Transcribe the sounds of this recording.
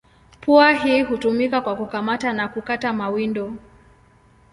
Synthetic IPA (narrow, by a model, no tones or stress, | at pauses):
puaɦiːɦutumikakwakukamatanakukatamawindɔ